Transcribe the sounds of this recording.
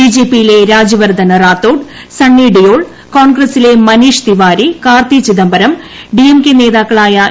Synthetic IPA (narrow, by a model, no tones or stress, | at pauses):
id͡ʑeːpːijile̞ɾaːd͡ʑjɐʋɐrd̪ʱɐnɐraːt̪ːoːɖ | sɐɳːiɖijoːɭ | koːɳɡrɐsile̞mɐniːʂt̪iʋaːɾikaːrt̪it͡ɕiðɐmbɐɾɐm | ɖiemkene̞ːðaːkːɐɭaːjɐ